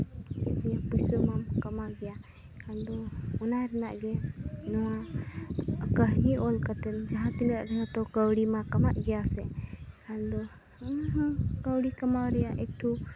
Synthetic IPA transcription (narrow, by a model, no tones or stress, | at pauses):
ɛtɲapujsumamkamawɡɛja | kand̪ɔɔnaɾɛna̰ʔɡɛnɔwa | kəɦɡiʔɔlkat̪ɛnd͡ʒaɦãt̪iləʔɾɛɦɔt̪ɔkəwɽimakamaʔɡɛjasɛkand̪ɔ | əɦkəwɽikamawɾɛjaʔɛk̚ʈʰu